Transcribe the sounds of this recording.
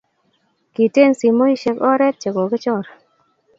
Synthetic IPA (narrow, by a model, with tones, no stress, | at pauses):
ki˨te˦nsi˨mo˦i˦ʃe˧˦kɔ˦ɾɛ˦t̚t͡ʃe˨kɔ˨kɪ˦t͡ʃɔ˦˨ɾ